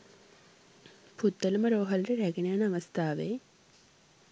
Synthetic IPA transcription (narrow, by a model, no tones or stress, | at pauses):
put̪ːɐluməɾoːɦɐlɾəɾæɡenejanaʋɐst̪ʰaːʋḛ